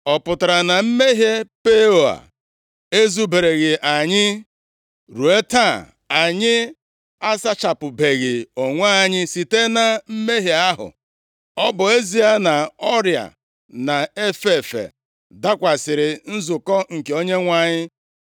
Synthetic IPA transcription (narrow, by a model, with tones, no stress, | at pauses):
ɔ˨pʊ˨ta˨ɾa˨na˨m̩˦me˦ɦe˦pe˦o˨a̰˨ | e˦zu˦be˨ɾe˨ɣɪ˨ʔa˨ɲɪ˦ | ɾu˨e˦ta˦˨ | a˨ɲɪ˦ | a˦sa˦t͡ʃa˨pʊ˨be˨ɣɪ˨o˨ŋʷa˦a˦˨ɲɪ˦si˨te˦na˨m̩˦me˦ɦi˨a˦ɦʊ̰˨ | ɔ˦bʊ˨e˦zi˨a˦na˨ɔ˦ɾja̰˨ | na˨e˦fe˨fḛ˨ | da˦kʷa˨sɪ˨ɾɪ˨n̩˦zʊ˨kɔ˦ŋ̩˨ke˨o˦ɲe˦ŋʷa˨ɲɪ˦